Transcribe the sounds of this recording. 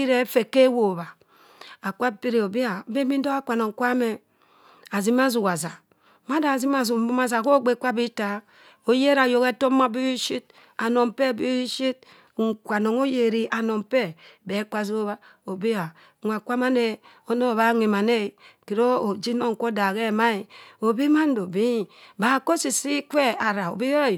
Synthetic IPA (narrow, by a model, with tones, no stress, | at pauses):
i˦ɾe˦fe˨ke˦wo˨ba˨ | a˨kʷa˦pi˦ɾi˨o˨bi˦a˨˦be˦mi˦n̩˦do˦a˦kʷa˨no˨ŋ̩˨kʷa˦me˨ | a˨zi˦ma˦zu˨wa˨za˨ | ma˦da˨zi˦ma˦˨zu˨m˦bu˦ma˦za˨ko˦ɡ͡be˨˦kʷa˦bi˦ta˨˦ | o˨je˦ɾa˨jo˨ke˦to˦a˦bi˦ʃi˦t̚ | a˨no˨m˨pe˦˨bi˦ʃi˦t̚ | ŋ̩˨kʷa˨no˨ŋo˦je˨ɾi˦ʔa˨no˨mpe˦be˨˦ka˦zi˦βa˦ | o˨bi˦a˨ | ŋʷ˨a˨kʷa˦ma˦ne˦ | o˦no˦˨βa˦ŋi˨ma˨ne˦˨ki˨ɾo˦o˨d͡ʒi˦no˦ŋ̩˨ko˦da˨ɣe˦˨ma˦i˨o˨bi˦ma˦n̩˦do˨bi˦˨ba˨ko˦si˨si˦kʷe˦a˨ɾa˨o̰˨bi˦jɾ